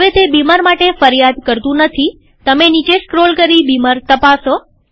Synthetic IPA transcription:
əʋet̪ebimaɾmaʈefəɾjad̪kəɾt̪ũnət̪ʰi | t̪əmenit͡ʃeskɾolkəɾibimaɾt̪əpaso

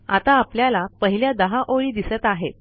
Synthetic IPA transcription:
a̰t̪aːpljalapəɦiljad̪əɦaʔoɭiːd̪isət̪aɦe

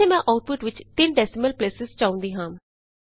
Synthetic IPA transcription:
eːmɛ̃ːʔaːʊʈ̚pʊʈʋɪt͡ʃt̪ɪnɖɛːsɪməlpleːsɪzt͡ʃaːʊ̃nd̪iːɦãːm

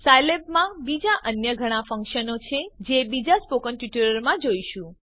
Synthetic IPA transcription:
sajleb̚mãbid͡ʒaʔənjəɡʱəɽ̃ãfə̃ŋkʃənot͡ʃʰed͡ʒebid͡ʒaspokənʈuʈiɾəɾmãd͡ʒoiʃũ

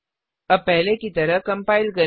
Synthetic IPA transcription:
əpɛɦlekit̪ɐɾəɦkɐmpaːɪilkɐ

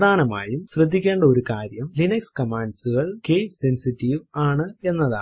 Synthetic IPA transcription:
d̪ʱaːnɐma̰ːjumɕrɐd̪ʱːikʲːeːɳɖɐo̞ɾukaːɾjɐmlinɐkskɐmaːɳɖsuɣɐɭkejsensitːiʋaːɳɨe̞nːɐða̰ː

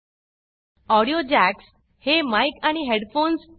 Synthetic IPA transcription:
ɔɽijod͡ʑæks | hemajkaɽ̃iɦeɽfons

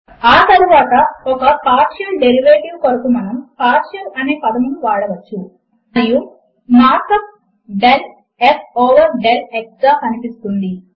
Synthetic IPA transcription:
aːt̪ɐɾuʋaːt̪ɐɔkɐpaːɾʃɐlɖe̞ɾiʋeːʈiʋkoɾɐkumɐnɐmpaːɾʃɐlʔɐne̞ːpɐd̪ɐmuluʋaːɽɐʋɐt͡ʃːu | ɐiju | maːɾkɐt̪̚ | ɖel | esɔːʋɐɾɖeleksɡaːkɐnipisu̥k̪und̪i

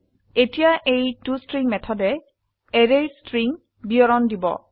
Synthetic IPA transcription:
etijaʔejtustɹiŋmɛtʰɔdɛ | ɛɹejstɹiŋ | biɔɹɔndibɔ̰

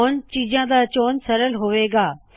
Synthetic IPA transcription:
nt͡ɕiːd͡ʑãd̪aːt͡ɕoːnsɐɾəlɦʊʋeːɡaː

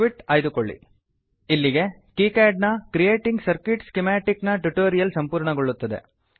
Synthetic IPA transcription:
ʋiʈaːjd̪ukoɭːḭ | ilːiɡe̞kiːkaːɖnɐkɾijeːʈiŋɡsɐɾkiʈskemaːʈiknɐʈuʈoːɾijɐlsɐmpuːɾɳɐɡoɭːut̪ːɐd̪e̞̰

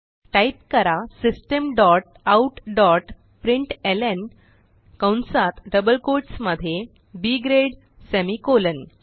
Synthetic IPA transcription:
ʈajp̚kəɾasisʈəmɖɔʈ̚ | auʈɖɔʈ | pɾiɳʈelen | kawnsat̪ɖəbəlkoɾʈsməd̪ʱːje | biɡɾeɽ | sɛmikolən

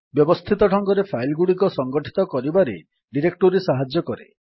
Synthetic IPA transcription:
bjɔbɔst̪ʰit̪ɔʈʰɔŋɡɔɾepʰajlɡuɽikɔsɔŋɡɔʈʰi̥t̪ɔkɔɾibaɾḛ | ɖiɾek̚ʈoɾisaɦad͡ʒjɔkɔɾḛ

